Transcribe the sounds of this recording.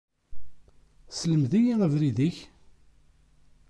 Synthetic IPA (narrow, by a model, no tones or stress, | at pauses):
sləmðijiʁəvɾiðiç